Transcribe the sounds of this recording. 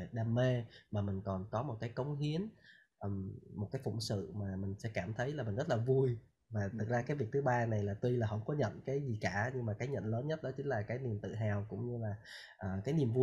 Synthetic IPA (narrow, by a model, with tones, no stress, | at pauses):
ɗaː˧mːe˧maː˨˩mï˨˩ŋ̟kɔ˨˩nkɔ˨˦mo˨˩t̚kaː˨˦jkə˨˦wŋ͡mɦi˨˦ən | ʔə˧˨˩mːo˨˩t̚kaː˨˦jfʊ̰˧˩wŋ͡msɨ̰˧˨maː˨˩mï˨˩ŋ̟sɛ̰˧˥kaː˧˩mt̪ʰə˨˦jlaː˨˩mï˨˩ŋ̟zə˦˥t̚laː˨˩vu˧j | vaː˨˩t̪ʰɨ˨˩k̚zaː˧kaː˨˦jvi˨˩ək̚t̪ʰɨ˨˦ɓaː˧na˨˩jlaː˨˩t̪wi˧laː˨˩ɦə̰˧˩wŋ͡mkɔ˨˦ɲə̰˧˨nkaː˨˦jzi˨˩kaː˧˩ɲɨ˧ŋmaː˨˩kaː˨˦jɲə̰˧˨nləː˨˦nɲə˦˥t̚ɗɔ˨˦t͡ɕï˨˦ŋ̟laː˨˩kaː˨˦jni˨˩əmt̪ɨ̰˧˨ɦaː˨˩wkʊ̰˧˥wŋ͡mɲɨ˧laː˨˩ | ʔəː˨˩kaː˨˦jni˨˩əmvu˧